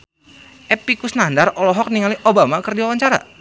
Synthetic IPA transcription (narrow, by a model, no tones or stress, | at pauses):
ʔɛpikusnandaɾolɔɦɔk̚niŋaliʔobamakərdiwawaɲt͡ʃaɾa̰